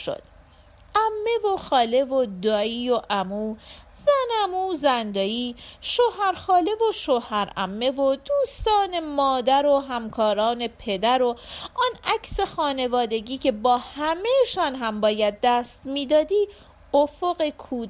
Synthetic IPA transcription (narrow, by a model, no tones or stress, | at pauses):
ʃo̰d̪̥ | ʔæmːe̞vo̞xɒːle̞vod̪ɒːiːoʔæmuːzænæmuːzænd̪ɒːiːʃohæɾxɒːle̞vo̞ʃohæɾæ̰mːe̞vod̪uːst̪ɒːne̞mɒːd̪æɾoɦæmkʰɒːɾɒːne̞pʰe̞d̪æɾo̞ɔnæcse̞xɒːne̞vɒːd̪e̞ɟiːcʰe̞bɒːhæmeʃɒːnɦæmbɒːjæd̪̚ːæst̪miːd̪ɒːd̪iː | ofoɣekʰuː